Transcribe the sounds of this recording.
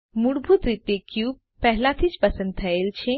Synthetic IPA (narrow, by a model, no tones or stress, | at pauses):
muɽbʱut̪ɾit̪ekjub | pːɛɦlat̪ʰit͡ʃpəsə̃nd̪̚t̪ʰəelt͡ʃʰe